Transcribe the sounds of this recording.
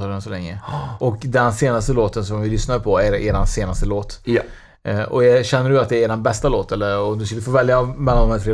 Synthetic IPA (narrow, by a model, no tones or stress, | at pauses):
ɔɾɛnsɔlɛŋːə̰ʔɔkd̪ɛnseːnast̪əloːt̪əns̬ɔmvɪlʏsnaɾpʰɔæɾeːɾanseːnast̪əloːt̪ | ɔ̰jɑɕɛnːəɖɵat̪̚d̪ɛːɾeːɾanbɛst̪aloːt̪ɛlːəɾɔmd̪ɵskad̪ɵfoːvɛljamɛlːand̪ɔmhæːt̪ʰɾeː